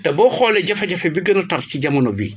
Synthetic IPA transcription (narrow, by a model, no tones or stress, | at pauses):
tɛbɔxɔlːɛɟɐfɐɟɐfebiɡənɐtɐrtciɟɐmɐnobḭ